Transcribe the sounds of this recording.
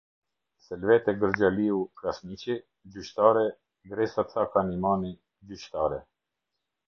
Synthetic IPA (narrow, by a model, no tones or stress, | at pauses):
sɛlvɛt̪ɛɡəɾd͡ʑaliukɾasmit͡ɕi | d͡ʑyʃt̪aɾɛ | ɡɾɛsat͡sakanimani | d͡ʑyʃt̪aɾɛ̰